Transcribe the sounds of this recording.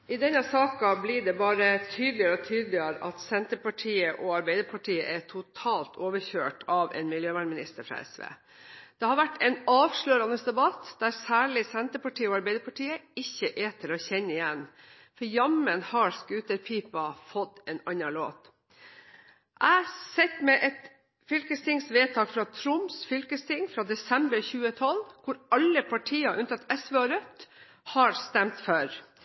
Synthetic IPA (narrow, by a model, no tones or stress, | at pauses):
ɪd̪ɛnːɑsɑːkɑblɪɖɛbɑːɾət̪ʰyːd̪lɪəɾəɔt̪ʰyːd̪lɪəɾəʔɑt̪sɛnt̪əɾpɑʈʰiːəʔɔɑɾbæɪd̪əɾpʰɑʈʰiːə̰ʔɛʈʰʊt̪ʰɑːlt̪ʰoːʋəɾçøːʈʰɑʋɛ̰ːnmɪljøːʋæːɳmɪnɪst̪əɾfɾɑ̰ːɛ̰sʋḛː | d̪̥ɛhɑɾʋæʈːɛnɑːʋʂɭøːɾɑnəsd̪ɛbɑt̪d̪̥æɾsæːɭɪsɛnt̪əɾpɑʈʰiːəɔɑɾbæɪd̪əɾpʰɑʈiːəɪçːəʔɛt̪ʰɪlɔçɛnːəɪjɛnː | fɔɾjɑmənhɑɾskʉːt̪əɾpʰiːpɑfɔt̪ːɛːnɑnɑɭo̰ːt̪ | ʔæsɛt̪mɛʔɛt̪ | fʏlkəst̪ʰɪŋsʋeːt̪ʰɑːkfɾɑt̪ʰɾʊmsfʏlkəst̪ʰɪŋfɾɑːd̪ɛsɛmbəɾçʉːət̪ʰɔlːkʰʊɾɑlːəpʰɑʈʰiːɑʔʉnt̪ɑt̪ːɛsʋeːɑɾœt̪ | hɑɾst̪ɛmt̪fœɾ